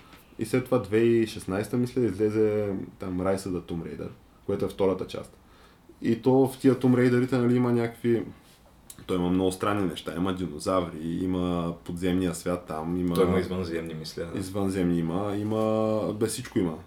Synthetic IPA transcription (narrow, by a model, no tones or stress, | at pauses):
ḭslɛt̪ːovad̪vɛiʃɛsnajst̪əmislɛizlɛzɛt̪amɾajsəd̪ɐt̪umɾɛ̰jd̪ə̰ɾ | koɛt̪ʊɛft̪ɔɾət̪ət͡ʃa̰st̪ | it̪ɔft̪iət̪umɾɛjd̪əɾit̪ɛnɐliimɐnʲakə̥kvi | t̪ɔimɐmnɔɡʊst̪ɾanːinɛʃt̪aiməd̪inozavɾiiməpod̪zɛmnijəsvʲjat̪ːamiməoimɐizvənzɛmnimislʲɛḭzvənzɛmniməiməbɛssit͡ʃkoimə